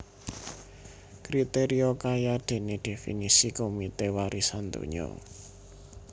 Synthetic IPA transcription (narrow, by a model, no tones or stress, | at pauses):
kɾit̪eɾiokajad̪̥e̤ned̪̥e̤fḭnisikomit̪ewaɾisant̪ṵɲɔ̰